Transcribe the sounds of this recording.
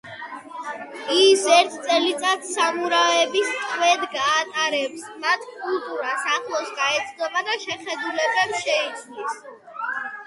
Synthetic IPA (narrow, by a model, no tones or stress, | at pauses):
isɛɾt̪ʰt̪sʼɛlit̪sʼat̪ʰsamuɾavɛbist̪ʼχʼwɛd̪ɡaːt̪ʼaɾɛpsmat̪ʰkʼulˠt̪ʼuɾasaχlˠɔsɡaɛt̪sʰd̪ɔbad̪aʃɛχɛd̪ulɛbɛpsʃɛikʰnis